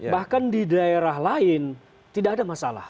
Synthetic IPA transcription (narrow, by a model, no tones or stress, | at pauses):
bahkandidaeɾaɦlaɪn | t̪idakːdamasala̰h